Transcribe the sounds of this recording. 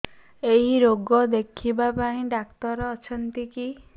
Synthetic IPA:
eɦiɾoɡɔd̪ekʰibapaĩɖakt̪ɔɾːt͡ʃʰɔnt̪iki

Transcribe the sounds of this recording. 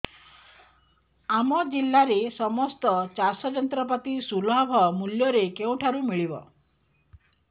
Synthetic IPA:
amɔd͡ʒilːaɾesɔmɔst̪ɔt͡ʃasɔd͡ʒɔnt̪ɾɔp̬at̪isulɔbʱɔmuljɔɾekeũʈʰaɾumiɭibɔ̰

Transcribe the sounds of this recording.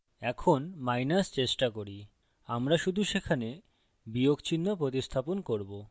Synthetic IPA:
ɛkʰonmajnast͡ɕeʃʈakoɾi | amɾaʃud̪ʱuʃekʰane | biokt͡ɕinːopɾot̪ist̪ʰaponkoɾbo

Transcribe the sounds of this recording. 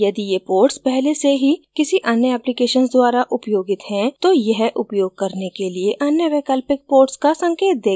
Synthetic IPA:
jɐd̪ijepoːɾʈspɛɦleseɦikɪsiʔɐnjəɛːplikeːʃənsd̪waːɾaʔʊpjoːɡɪt̪ɦɛ̃t̪ojɐɦʔʊpjoːɡ̚kɐɾnekelieʔɐnjəʋeːkəlpɪk̚poːɾʈskasɐ̃ŋkeːt̪̚d̪eː

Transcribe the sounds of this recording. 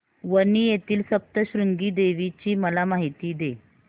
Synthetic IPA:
ʋənijet̪iːlsəp̚t̪əɕɾuŋɡiːd̪eʋit͡ɕiːməlamaɦit̪iːd̪e

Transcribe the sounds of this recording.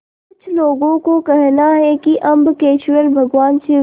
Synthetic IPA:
kkʊt͡ʃʰloːɡõkokɛɦnaɦɛkiʔɐ̃mbkeːʃʋəɾbʱɐɡʋaːnsɪ

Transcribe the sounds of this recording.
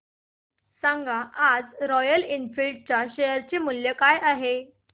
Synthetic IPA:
sãŋɡaʔad͡zɾɔjəlinfilʈ̚t͡ɕjaɕejəɾt͡ɕemuljəkajaɦe

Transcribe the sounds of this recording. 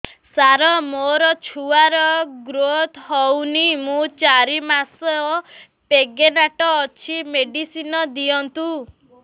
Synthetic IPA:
saɾɔmoɾɔt͡ʃʰuaɾɔɡɾot̪ɦɔwnimũt͡ʃaɾimasɔ | peɡenaʈɔːt͡ʃʰimeɖisinɔd̪iɔnt̪u

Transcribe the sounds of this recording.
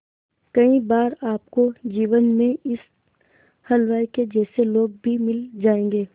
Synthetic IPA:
kɐĩbaːɾaːp̚kod͡ʒiːʋənmẽɪs | hɐlʋaːiked͡ʒɛːseloːɡ̚bʱimɪld͡ʒaːẽːŋɡeː

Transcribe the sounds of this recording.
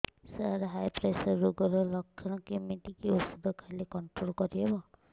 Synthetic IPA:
saɾɦajpɾasɔːoɡɔɾɔlɔkʰːɔnɔkimiʈikeusud̪ʱɔkʰalekɔɳʈɾolkɔɾiɦebɔ

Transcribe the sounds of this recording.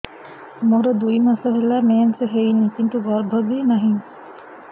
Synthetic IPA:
moɾod̪ujmɐsɐɦelæːmeːnseɦejnit̪iɳʈuɡɔɾbʱɐbiːnɐɦiŋ

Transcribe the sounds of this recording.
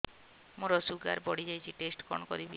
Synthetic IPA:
moɾɔsuɡa̰ɾbɔɽid͡ʒajt͡ʃʰiʈesʈkɔ̰ɳɔkɔɾibḭ

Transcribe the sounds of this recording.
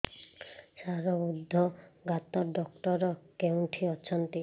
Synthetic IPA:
saɾɔud̪ʱːɔɡat̪ɔɖɔkʈɔɾɔkeũʈʰiɔt͡ʃʰɔnt̪i

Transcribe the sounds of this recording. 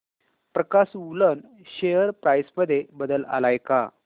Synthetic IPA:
pɾəkasulən | ɕejəɾpɾajsməd̪ʱːjebəd̪əla̰lajka

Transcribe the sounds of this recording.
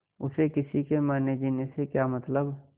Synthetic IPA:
ʊsekɪsikemaːned͡ʒinesekjaːmɐt̪ləb

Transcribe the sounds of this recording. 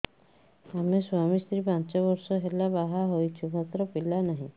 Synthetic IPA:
ameswamist̪ɾipant͡ʃɔβɔɾsɔɦelabaɦaɦojt͡ʃʰubʱat̪ɾɔpilanaɦĩ

